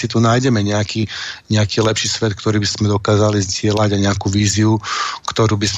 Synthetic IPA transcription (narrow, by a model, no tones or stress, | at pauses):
sit̪unaːjɟɛmɛɲɛakiːɲɛakiːlɛpʃiːsʋɛt̪̚k̚t̪ɔɾiːbiz̥mɛd̪ɔkaːzalizɟɪɛlaɟajɲɛakuʋiːziukt̪ɔɾuːbiz